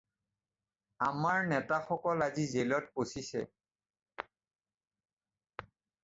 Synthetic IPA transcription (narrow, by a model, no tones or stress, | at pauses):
amaɹnɛtaxɔkɔlazizelɔt̚posisɛ̰